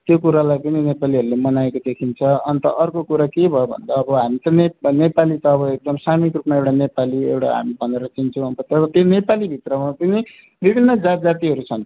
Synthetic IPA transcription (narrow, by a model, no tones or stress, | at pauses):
t̪jokuɾalajpʌninepaliɦʌɾulemʌnaekod̪ekʰint͡sʰʌʌnt̪ʌ̰ʔʌrkokuɾakebʱʌebʱʌ̰nd̪aːbʌɦamit̪ʌnenepalit̪ʌːβʌek̚d̪ʌmsamikrupmaewʈanepaliewʈa̰ɦa̰mibʱʌneɾʌt͡sint͡sʰʌ̃ʌnt̪ʌt̪ʌɾʌt̪jonepalibʱit̪rʌmapʌni | bʱibʱinːʌd͡zad͡zat̪iɦʌɾut͡sʰʌn